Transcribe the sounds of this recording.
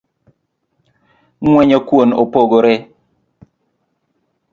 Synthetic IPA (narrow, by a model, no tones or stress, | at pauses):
ŋwɛɲɔkwonopoɡoɾɛ